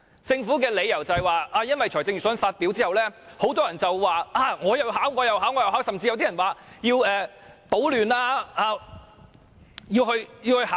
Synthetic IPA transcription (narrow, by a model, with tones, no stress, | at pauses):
t͡sɪ˧ŋfu˨˥kɛː˧le˨˧jɐ˨˩wt͡sɐ˨hɐ˨jwaː˨ʔaː˧jɐ˥nwɐ˨jt͡ʃʰɔː˨˩jt͡sɪ˧ŋjyː˨˩sfaː˧t̚pi˨˥wt͡siː˥hɐ˨wlɛː˥ho˨˥wt̪ɔː˥jɐ˨˩nt͡sɐ˨wwaː˨˩ʔaː˧ŋɔː˨˧jɐ˨˧wɦaː˨˥wŋɔː˨˧jɐ˨˩wɦaː˨˥wŋɔː˨˧jɐ˨˧haː˨˥wsɐ˨mt͡siː˧jwt̪i˥ɐ˨˩nwaː˨jiː˧wɛː˨t̪o˨˥wlyː˨naː˧aː˧ | jiː˧wɦɵ˧ɥjiː˧whɵ˧haː˨˥